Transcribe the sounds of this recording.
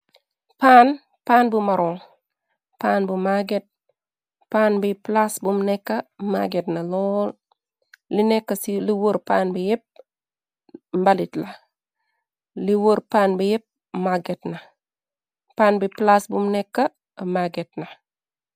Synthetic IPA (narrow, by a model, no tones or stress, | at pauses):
paːn | paːnbumɐɾoŋ | paːnbumaɡet̚ | paːnbiplasbumnɛkːɐma̰ɡetnɐlɔːl | linɛkːɐsiliwoɾpaːnbijɛp̚ | mbalitlɐ | liwoɾpaːnbijɛp̚ | maɡetnɐ | paːnbiplasbumnɛkːɐ | maɡet̚nɐ